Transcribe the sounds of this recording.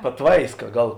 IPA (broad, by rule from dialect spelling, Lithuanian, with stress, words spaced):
pɐˈtʋɐɪskɐ ˈɡɐlˠ